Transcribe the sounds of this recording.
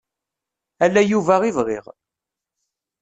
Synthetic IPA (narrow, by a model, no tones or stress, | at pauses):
ælːæjuvæʁiðʁɪ̰ʁ